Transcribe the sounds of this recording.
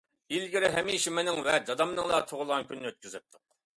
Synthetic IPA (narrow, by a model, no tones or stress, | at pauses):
ilɡʲiɾɪɦɛmiʃimɪnɪŋvɛd̪ɑd̪ɑmnɨŋlˠɑt̪ʰoʁʊlˠʁɑnkʲynːɪøt̪̚kʲyzɪp̚t̪ʰːʊq̚